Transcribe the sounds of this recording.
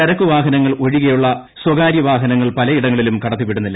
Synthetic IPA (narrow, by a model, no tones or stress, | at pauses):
ɐɾɐkːuʋaːɦɐnɐŋːɐɭoɻiɣɐjuɭːɐ | swɐɡaːɾjɐʋaːɦɐnɐŋːɐɭpɐlɐiɽɐŋːɐɭilumkɐɽɐt̪ːipiɽunːilːɐ